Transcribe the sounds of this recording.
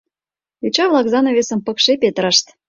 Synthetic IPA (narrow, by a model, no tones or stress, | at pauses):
et͡ɕɑβlɑkzɑnoβesə̆mpə̆kʃepet̪əɾəʃt̪